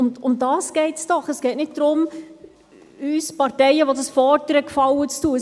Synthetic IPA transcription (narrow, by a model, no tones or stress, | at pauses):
ʊmʊmdɑːsɡ̥ɛɪtsd̥ɔχəsɡ̥ɛɪtnɪt̚d̥ɾʊm | yːspɑrtɛɪəʋodɑsfɔːrdəɾəkfɑlwət͡stuə